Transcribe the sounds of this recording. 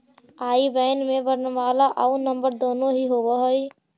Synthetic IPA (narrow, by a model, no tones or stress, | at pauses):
aibəɪnmebəɾnəmalaʔaunəmbəɾd̪onoɦiɦobəɦəj